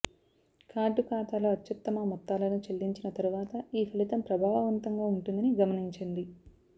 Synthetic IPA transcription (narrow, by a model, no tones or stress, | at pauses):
kʰaːɖukaːt̪aːloːɐt̪jɐt̪ːɐmɐmɔt̪ːaːlɐnut͡ʃelːiɲt͡ʃinɐt̪ɐɾuʋaːt̪ɐiːpʰɐlit̪ɐmpɾɐbʱaːʋɐʋɐnt̪ɐŋɡaːuɳʈund̪ɐniɡɐmɐniɲt͡ʃind̪i